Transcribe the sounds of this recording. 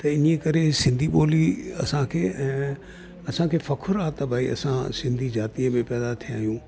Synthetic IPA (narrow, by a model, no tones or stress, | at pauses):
t̪ɐɪniekɐɾesɪ̃nd̪ʱiɓoːliɐ̰sãkʰeːɛ̃ː | ɐsãkʰeːfɐkʰʊɾaːt̪ɐbʱaːiɐ̰sãsɪ̃nd̪ʱid͡ʑaːt̪iə̃bɪpɛːd̪at̪ʰiãːjũː